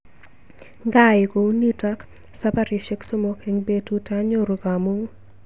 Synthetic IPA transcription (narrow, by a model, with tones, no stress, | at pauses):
ŋɡa˦ɪ˨ko˨˦ni˦ta˦k | sa˦pa˦ɾɪ˨ʃe˦kso˦mo˦keŋbe˦tu˦ta˦ɲo˦ɾu˨ɡa˨mu˦ŋ